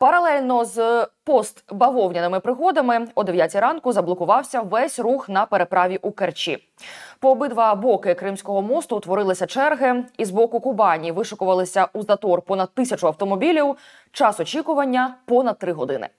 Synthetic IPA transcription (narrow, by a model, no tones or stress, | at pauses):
pɐɾɐlˠɛlʲnɔzpɔst̪bɐʋɔwnʲɐnɪmɪpɾɪɦɔd̪ɐmɪɔd̪eʋʲjat͡sʲiɾɑnkʊzɐblˠɔkʊʋɑwsʲɐʋɛsʲruxnɐpeɾe̞pɾɑʋʲiʔukert͡ʃḭ | pɔːbɨd̪ʋɐbɔkɪkɾɪmsʲkɔɦɔmɔst̪ʊt̪ʋɔɾɪlˠɪsʲɐt͡ʃɛrɦɪizbɔkʊkʊbɑnʲiiʋɪʃʊkʊʋɐlˠɪsʲɐʔuzɐt̪ɔrpɔnɐd̪̚t̪ɪsʲɐt͡ʃʊɐwt̪ɔmɔbʲilʲiw | t͡ʃɑsɔt͡ʃikʊʋɐnʲːɐpɔnɐd̪̚t̪ːɾɪɦɔd̪ɪnɪ̰